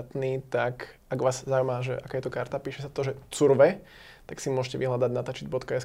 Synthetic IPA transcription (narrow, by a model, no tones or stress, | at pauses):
t̪niːt̪akaɡʋaːzzaumaʒɛ̰ʔakaːjɛt̪ɔkaɾt̪apiːʃɛsat̪ɔʒɛt͡suɾʋɛ | t̪aksimʊɔʒɛcɛʋḭɦlad̪aɟnat̪at͡ʃid̪̚bɔt̪kaɛs